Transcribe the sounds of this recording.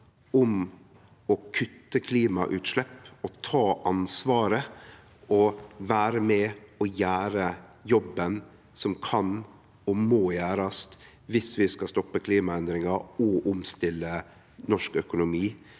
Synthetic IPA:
ʊm | ɔkʰʉt̪ːəkʰliːmɑʔʉːt̪ʃlɛpːɔt̪ʰɑːʔɑnsʋɑːɾə | ɔʋæːɾəmɛɔjæːɾəjɔbːən | sɔmkʰɑn | ɔmoːjæːɾɑst̪ | ʋɪsʋɪskɑst̪ɔpːəkʰliːmɑɛnd̪ɾɪŋɑɾɔʔʊmst̪ɪlːə | nɔʂkœkʊnʊmiː

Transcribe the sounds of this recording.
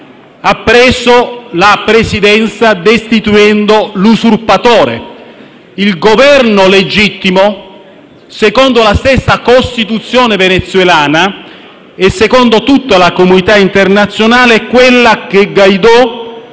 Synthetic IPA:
apːɾɛːsolapɾesid̪ɛnt̪sad̪est̪it̪uɛnd̪olusurpat̪ɔːɾḛ | ilɡovɛrnoled͡ʒit̪ːimo | sekɔnd̪olast̪ɛsːakost̪it̪ut̪sːjɔːnevenet̪sːwelaːna | esːekɔnd̪ot̪ut̪ːalakomunit̪aint̪ernat̪sːjonaːlekwelːak̟eɡːajd̪ɔ

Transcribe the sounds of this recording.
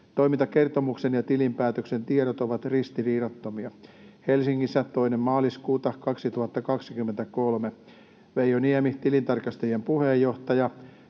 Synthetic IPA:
t̪oimint̪ɑkert̪omuksenjɑt̪ilimpæːt̪øksent̪ieɾot̪oʋɑt̪rist̪iriːrot̪ːomiɑhelsiŋːisːæt̪oinemmɑːliskuːt̪ɑkɑksit̪uhɑt̪ːɑkɑksikymːent̪ækolme | ʋejoniɛmit̪ilint̪ɑrkɑst̪ɑjiempuhejːoht̪ɑjɑ

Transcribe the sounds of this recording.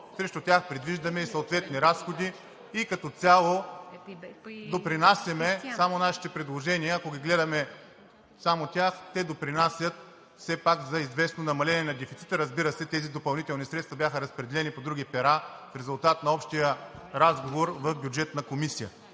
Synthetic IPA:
sɾɛʃt̪ʊt̪ʲaxpɾɛd̪viʒd̪ɐmɛisɐot̪vɛt̪niɾasxod̪iː | kɐt̪ɔt̪sʲalˠo | d̪opɾinasʲjɐmɛsamonaʃi̥t̪ɛpɾɛd̪lˠoʒɛniəːkoɡʲiɡlɛd̪ɐmɛ | samot̪ʲaxt̪ɛd̪opɾinasʲjət̪ | fsɛpakzɐizvɛsnonɐmɐlɛniɛnɐd̪ɛfit̪si̥t̪əɾəzbiɾəsɛt̪ɛzid̪opɐlˠnit̪ɛlˠnisɾɛt̪st̪vɐbjaxəɾɐspɾɛd̪ɛlɛnipod̪ɾuɡʲipɛɾafɾɛzʊlˠt̪at̪nɐɔpʃt̪ijəɾazɡovoɾvɐfbjud͡ʒɛt̪nɐkomisijə

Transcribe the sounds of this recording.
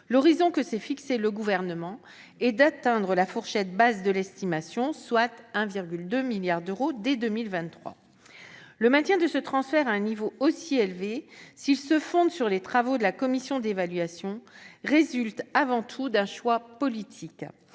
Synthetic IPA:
lɔʁizɔ̃kəsɛfikseləɡuvɛʁnəmɑ̃ | ɛd̪at̪ɛ̃d̪ʁəlafuʁʃɛt̪̚bazd̪əlɛst̪imasjɔ̃swat̪ɛ̃viʁɡʲyld̪ømiljaʁd̪øʁod̪ɛd̪ømilvɛ̃t̪ːχwa̰ | ləmɛ̃t̪jɛ̃d̪əsət̪χɑ̃sfɛʁaɛ̃nivoosielvesilsəfɔ̃d̪syʁlet̪χavod̪əlakɔmisjɔ̃d̪evalɥasjɔ̃ʁezylt̪avɑ̃t̪ʰud̪ɛ̃ʃwapɔlit̪ʰik

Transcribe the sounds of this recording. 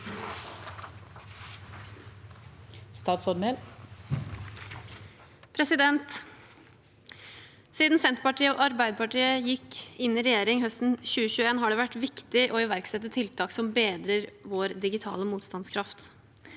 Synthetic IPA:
st̪ɑːt̪sɔɾmɛl | pʰɾɛsɪd̪ɛnt̪ | siːd̪n̩sɛnt̪pɑʈʰiːəɔ̰ʔɑɾbæɪd̪əpɑʈiːəjɪkːɪnːɪɾɛjeːɾɪŋɦœst̪n̩ɕʉːəɕʉːəeːnɦɑɖɛːʋæʈːʋɪkt̪ɪʔɔɪʋæɾksɛt̪ːət̪ʰːɪlt̪ʰɑːksɔmbeːd̪ɾəɾʋoːɾd̪ɪɡɪt̪ʰɑ̰ːləmuːt̪st̪ɑnskʰɾɑft̪

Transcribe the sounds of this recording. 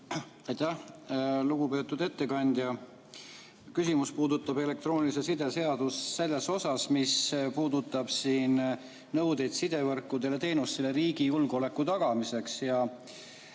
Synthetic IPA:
ɑjt̪æhluɡ̥upe̞ːt̪ːˑud̪e̞t̪ːe̞kɑnʲd̪̥ʲjɑ | kysimuspuːd̪ut̪ːˑɑbe̞le̞k̚t̪ro̞ːnʲilise̞sid̪e̞se̞ɑd̪̥usːe̞lːe̞so̞sɑsmispuːd̪̥ut̪ːˑɑb̥siːn | nɤwd̪e̞jd̪̥sid̪̥e̞vɤrkːˑud̪̥e̞le̞t̪e̞ːnust̪ele̞ɾiːɡ̥ijulɡ̥o̞le̞kːˑut̪ɑɡ̥ɑmise̞ksjɑ

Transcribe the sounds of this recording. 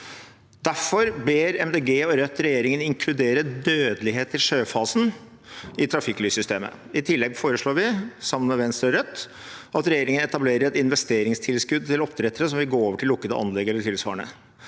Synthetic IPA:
d̪̥æɾfɔɾbeːɾɛmd̪eːɡeːɔɾœt̪ːɾɛjeːɾɪŋənɪŋkʰlʉd̪eːɾəd̪øːd̪əlɪɦeːt̪ɪʂøːfɑːsn̩ | ɪt̪ʰɾɑfɪkːlyːsʏst̪eːmə̰ | ɪt̪ʰɪlːɛɡfoːɾəʂɭoːɾʋɪsɑməmɛʋɛnst̪ɾɔɾœt̪ː | ʔɑt̪ɾɛjeːɾɪŋənɛt̪ɑbleːɾəɾɛt̪ɪnʋɛst̪eːɾɪŋst̪ʰɪlskʉd̪̚t̪ʰɪlɔpːd̪ɾɛt̪ːəɾəsɔmʋɪlɡoːoːʋəʈʰɪlːʊkːəd̪ə̰ʔɑ̰nlɛɡɛlːəʈʰɪlsʋɑ̰ːəɳə̰

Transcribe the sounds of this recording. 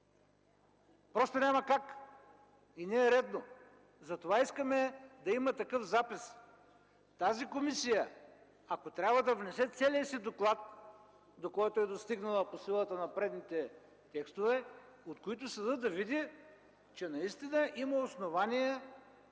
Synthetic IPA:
pɾɔst̪onʲamɐkak | inɛːɾɛd̪no | zɐt̪ovaiskəmɛd̪ɐimɐt̪ɐkɤfzapis | t̪azikomisijə | ɐkot̪ɾʲjabvəd̪ɐvnɛsɛt̪sɛliəsid̪oklˠat̪ | d̪okɔjt̪oɛd̪ost̪iɡnəlˠəposilˠət̪ənɐpɾɛd̪nit̪ɛ | t̪ɛkst̪ovɛot̪koit̪ʊsəd̪ɤd̪ɐvid̪i | t͡ʃɛnɐist̪inəʔiməosnovaniɛ

